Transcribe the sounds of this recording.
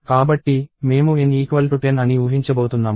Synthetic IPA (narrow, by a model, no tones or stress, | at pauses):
kaːbɐʈːime̞ːmueniːkʋɐlʈuʈenɐniuːɦiɲt͡ʃɐboːt̪unːaːm